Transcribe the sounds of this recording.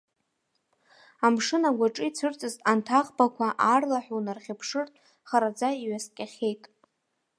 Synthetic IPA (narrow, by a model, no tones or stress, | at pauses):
amʂɨnaɡʷaʈ͡ʂʼijt͡sʰɨrt͡sʼɨztʼantʰaχʼbakʷʰaʔarlaħʷᶣunarχʲɪpʰʂɨrtʼ | χaɾad͡zaiɥaskʲʼaχʲe̞jtʼ